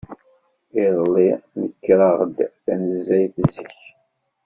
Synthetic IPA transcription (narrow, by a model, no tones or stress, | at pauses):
iðlˤːinəkːɾɑʁəd̪θænəzːæjθzəç